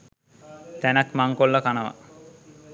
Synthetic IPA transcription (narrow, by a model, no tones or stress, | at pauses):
t̪ɛnakmaŋkolːakanaʋa̰